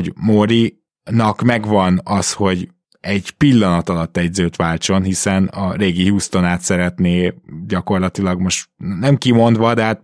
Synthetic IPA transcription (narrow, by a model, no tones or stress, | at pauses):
oɟmoɾi | nɒkmɛɡʋɒnɒsho̞ɟ | ɛɟpilːɒnɒt̪ɒlɒt̪ːɛɟzøːt̪ʋaːlt͡ʃo̞nɦisɛnɒɾeːɡiɦuːst̪o̞naːt̪sɛɾɛt̪neːɟɒko̞rlɒt̪ilɒɡmo̞ʃt̪nɛmkimo̞nd̪ʋɒd̪ɛɦat̪̚